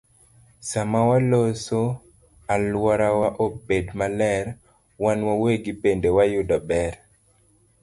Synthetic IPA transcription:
samawaloso | alwɔɾawaʔobedmalɛɾ | wanwaweɡipendewajʊdɔbɛɾ

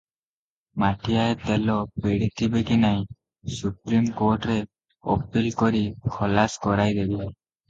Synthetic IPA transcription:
maʈʰijaet̪elɔpeɽit̪ʰibekinaj | supɾimkoɾʈɾe | ɔ̰pilkɔɾikʰɔlaskɔɾajd̪ebi

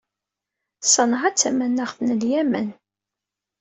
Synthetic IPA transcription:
sˤənʁæt͡sːæmænːæχθnəljæmən

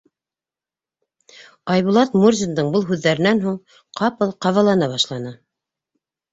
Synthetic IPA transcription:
ɑjβŭlˠɑt̪murzʲind̪ɤɴbɤlˠɦʉðːæɾɘ̆nænɦuɴ | qʰɑpɤlˠqɑvɑlˠɑnɑβɑʃlˠɑnɤ

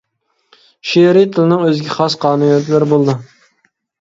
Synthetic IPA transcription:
ʃeɾit̪ʰɪlɪnɪŋøzɡʲɛχɑsqʰɑːnɨɛt̪lɪɾɪbolˠd̪ɨ

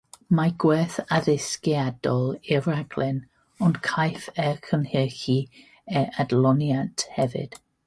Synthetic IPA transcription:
maɡwɛθaðɪskjadɔlˠɪraɡ̥lɪn | ɔnkʰajfɛkʰənhɪxi | ɛʔadlˠɔnjantʰhɛvɪ̰d̥

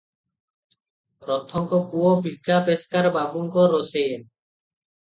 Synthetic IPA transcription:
ɾɔt̪ʰːɔŋkɔkuobʱikʰːapeskaɾbabuŋkɔɾosen

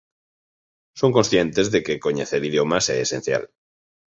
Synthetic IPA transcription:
soŋkonsθje̞nt̪ezðekeko̞ɲeθeɾiðjomaseːsḛ̃n̟θja̰l

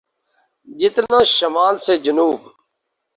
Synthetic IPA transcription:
d͡ʒɪt̪nãːʃəmaːlseːd͡ʒʊnuːb

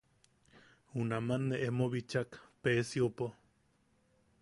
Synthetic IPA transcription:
unamanːeʔemoβit͡ʃakpeːsjiopo

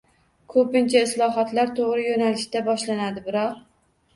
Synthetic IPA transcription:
kʰɵpɪnt͡ʃʰaɪslˠɒɦɒt̪laɾt̪ʰoʁɾɪjonalɪʃt̪abɒʃlanad̪ɪbɪɾɒq

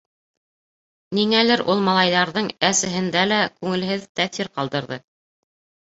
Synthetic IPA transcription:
niŋælɘɾʔulˠmɑlˠɑjðɑɾðɤɴæsɘ̆ɦɘ̆nd̪ælækʉŋɘ̆lɦɘðt̪æθiɾqɑlˠd̪ɤ̆ɾðɤ

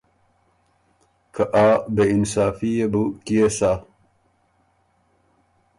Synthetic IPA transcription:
kʰɐʔaːbeinsaːfijebukijesaː

